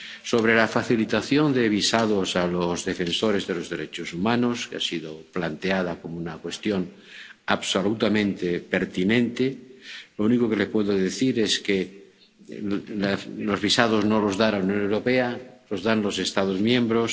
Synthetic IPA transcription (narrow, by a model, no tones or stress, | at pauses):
soβ̞ɾelafaθilit̪aθjo̞nd̪eβ̞isaðosalozðefensoɾezðelozðeɾet͡ʃosumanoskea̰siðoplant̪eað̞ako̞mounakwe̞st̪joŋ | aβsolut̪amẽnt̪epeɾt̪inẽnt̪elounikokelepweðoðeθiɾeske | lalozβisað̞oznolozðanaunjõ̞newɾopealozðanlose̞st̪aðozmjẽmbɾos